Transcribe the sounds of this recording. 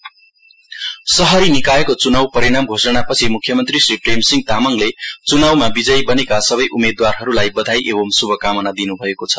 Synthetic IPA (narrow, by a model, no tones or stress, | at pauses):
sʌɦʌɾinikaekot͡sunawpʌɾiɽamɡʱosʌnapʌt͡sʰimukʰjʌmʌnt̪risripremsiŋɡ̚t̪amʌŋlet͡sunawmabid͡zʌjbʌnekasʌbʌjʔumed̪warɦʌɾulajbʌd̪ʱajʔebʌmsubʱʌkamʌnad̪inubʱʌekot͡sʰʌ̥